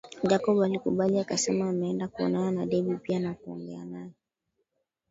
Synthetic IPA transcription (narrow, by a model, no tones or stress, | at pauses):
d͡ʒakɔɓalikuɓaliakasɛmaːmɛɛndakuɔ̰nananaɗɛɓipianakuɔ̰ŋɡɛanajɛ